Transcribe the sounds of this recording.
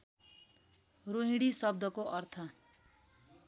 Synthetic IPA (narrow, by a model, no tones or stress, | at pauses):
roɦĩɽisʌb̚d̪ʱʌkoʔʌrt̪ʰʌ